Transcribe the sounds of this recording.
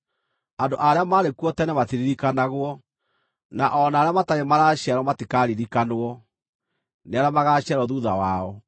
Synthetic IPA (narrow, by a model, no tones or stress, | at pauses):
andoʔaɾeamaɾekuɔtɛnɛmatiɾiɾikanaɣwɔ | naʔɔnaːɾeamataɣemaɾaɕiaɾɔmatikaɾiɾikanoɔ | neaɾamaɣaɕɛɾɔðuðawaɔ